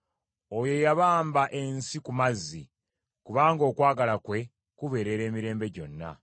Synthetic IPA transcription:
ojo̞jaβaːmbaʔe̞nsikumazːi | kuβaːŋɡo̞ːkwaːɡalakwe̞ | kuβe̞ɾe̞ɾe̞ːmiɾe̞ːmbe̞ɟo̞̰nːa̰

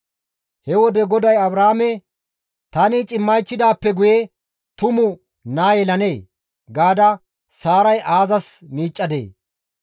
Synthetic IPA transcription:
hɛwɔd̪ɛɡɔd̪ɐjɐbɾahːmɛ | t̪ɐnɪt͡ʃʼɪmːɐjt͡ʃːɪd̪aːpːɛɡʊjɛ | t̪ʊmʊ | naːjɛlɐne̞ː | ɡaːd̪ɐ | saːɾɐjʔaːzɐsmiːt͡ʃʼːɐd̪ḛː

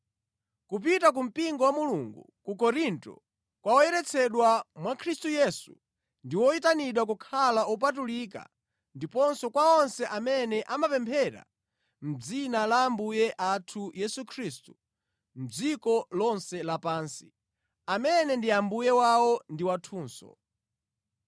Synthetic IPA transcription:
kup̬itak̬um̩piŋɡɔwamuluŋɡṵ | kukɔɾintɔ̰ | kwaɔjɛɾɛt͡sʰɛɗwamwakʰɾistujɛsu̥̰ | ndiwɔitaniɗwak̬ukʰalaʔɔp̬atulika̰ | ndipɔnsɔkwaɔnsɛʔamɛnɛʔamapɛmpʰɛɾa̰ | m̩d͡zinalambujɛʔatʰujɛsukʰɾistu | m̩d͡zikɔlɔnsɛlapaːnsi̥ | amɛnɛndiambujɛwaɔndiwatʰuːnsɔ̰

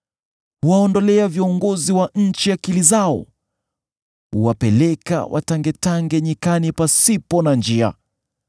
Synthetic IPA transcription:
huwaɔndɔlɛaviɔŋɡɔziwaɲ̩t͡ʃiakilizaɔ̰ | ṵwapɛlɛka̰wʔa̰taŋɡɛtaŋɡɛɲikanipasipɔnand͡ʒia̰

